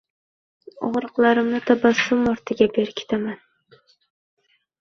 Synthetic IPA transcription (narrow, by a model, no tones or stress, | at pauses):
ɒ̰ʁɾɨqlˠaɾɪmnɪt̪ʰabasʊmɒɾt̪ʰɪɡʲabe̞ɾkʲʰe̥t̪ʰaman